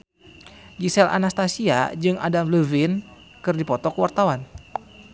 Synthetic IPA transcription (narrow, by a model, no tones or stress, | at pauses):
ɡisɛlʔa̰nast̪asia̰d͡ʒɨŋʔa̰damləvɪn | kɨrdipɔt̪ɔkəwart̪awan